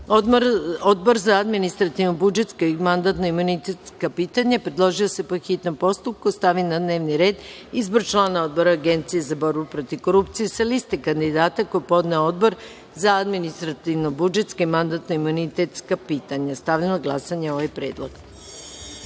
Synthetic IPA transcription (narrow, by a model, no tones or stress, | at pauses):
od̪̚bo̞ɾzaad̪minist̪ɾat̪iʋnobud͡ʒe̞t̪skaimand̪at̪no̞imunit̪et̪skapiːt̪aɲapɾed̪lˠo̞ʒiose̞poxit̪no̞mpo̞st̪up̚kust̪aʋinad̪neːʋniɾe̞ːd̪ | izboɾt͡ʃlˠaːnao̞d̪bo̞ɾaːɡe̞nt̪sijezabo̞ɾbupɾo̞t̪iʋko̞ɾupt̪sijesalist̪ekand̪id̪aːt̪akojepo̞d̪neoo̞d̪boɾ | zaad̪minist̪ɾat̪iʋnobud͡ʒe̞t̪skaimand̪at̪noimunit̪et̪skapiːt̪aɲast̪aʋʎamoɡlˠasaɲeo̞ʋajpɾe̞ːd̪lˠo̰ɡ